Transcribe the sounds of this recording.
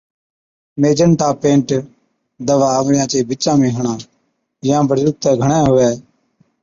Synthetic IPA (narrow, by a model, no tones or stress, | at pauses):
meːd͡ʒənʈaːpẽːɳʈ | d̪əʋaːəʋɽɪjãːt͡ʃeːbɪt͡ʃãːmẽːɦəɳãː | jãːbəɾjʊk̚t̪əːɡʱəɳẽːɦʊʋɛː